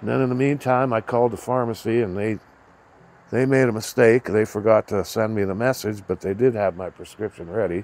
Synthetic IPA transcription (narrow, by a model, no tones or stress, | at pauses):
nðɨ̰̃nɨ̃nðəmĩntʰãɪ̃maɪkʰɔlˠd̪əfɑɹməsiɨ̃nðeɪ | ðeɪmeɪɾəməsteɪkðeɪfə˞ɡɑtʰɨsɛ̃nmiðəmɛsɨd͡ʒbʌt̪̚ðeɪdɪd̚ɨvmaɪpʰɹ̥ɨskɹɪpʃɨ̃nɹɛɾi